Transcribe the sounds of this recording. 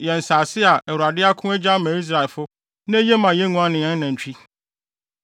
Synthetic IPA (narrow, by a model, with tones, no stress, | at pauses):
jɛ˨n̩˨saː˨sɪ˦a˨ɛ˨wu˨ɾa˨dɪ˦a˦kʰʊ̃˦æ˦d͡ʑa˦mã˨˦i˦s̬ɾa˨ɪ˨lfʊ˦ | nã˦je˦mã˨jɛ˦nũ˦a˦nɪ̃˨jɛ̃˦n˦nã˨ɲ̩˨t͡ɕᶣi˦